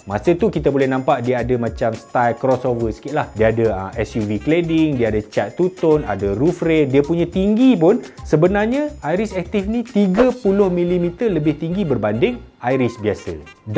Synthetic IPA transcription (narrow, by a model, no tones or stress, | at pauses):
mãsət̪ukit̪abolɛhnãmpaʔdiəadəmãt͡ʃamst̪ajlkɾɔsovərsə̥kɪt̪̚lahdiəadəəmɛsjuvikledɪŋdiəadət͡ʃat̪ːut̪ʊna̰dərufɾediəpuɲə̃t̪iŋɡipʊnsəbənarɲə̃ajɾɪsɛk̚t̪ifnĩt̪iɡəpulʊhmĩlimit̪ərləbɪht̪iŋɡibərbandɪŋ | ajɾɪsbiasə̰ | d